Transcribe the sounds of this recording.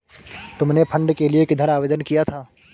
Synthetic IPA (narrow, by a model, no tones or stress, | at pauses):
t̪ʊmnepʰɐ̃ɳɖkeliekɪd̪ʱəɾaːʋeːd̪ənkijat̪ʰaː